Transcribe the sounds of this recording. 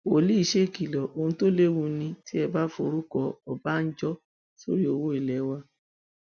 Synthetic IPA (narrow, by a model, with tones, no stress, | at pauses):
o˨li˦i˦˧ʃe˦˨ki˨lɔ˨ʔo˧hũ˧to˦le˦wũ˧˦nĩ˧ti˦ɛ˧ba˦fo˧ɾu˦kɔ˧ɔ˨ba˨˦n̩˦d͡ʒɔ˦ | so̰˦ɾi˦o˧wo˦i˨lɛ˨˦wa˧